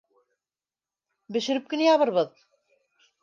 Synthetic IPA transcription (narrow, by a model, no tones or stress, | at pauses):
bɵ̆ʃɘ̆ɾɘp̚kɵ̆nɘjɑβɤɾβɤð